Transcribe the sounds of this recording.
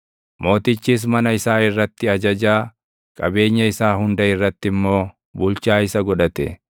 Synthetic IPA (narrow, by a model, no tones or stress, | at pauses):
mo̞ːt̪ɪt͡ʃːiːs̬mɐnɐɪsaːɪrːɐt̪ːɪɐd͡ʒɐd͡ʒaː | kʼɐbe̞ːɲːɐɪsaːɦʊnd̪ɐɪrːɐt̪ːɪmːo̞ː | bʊlt͡ʃaːɪsɐɡɔᶑɐt̪ɛ̰